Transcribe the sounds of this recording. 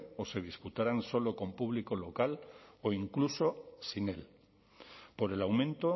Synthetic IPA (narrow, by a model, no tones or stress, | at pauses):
o̞se̞ð̞isput̪aɾanso̞lo̞ko̞mpuβ̞liko̞lo̞kaloiŋkluso̞sine̞l | po̞ɾe̞lawmẽnt̪o